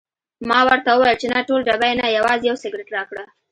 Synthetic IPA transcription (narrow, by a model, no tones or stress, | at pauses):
mɑwəɾt̪awəwɑjəlt͡ʃenaʈolɖabajnajawɑzejawsɪɡɾɪʈɾɑkɽa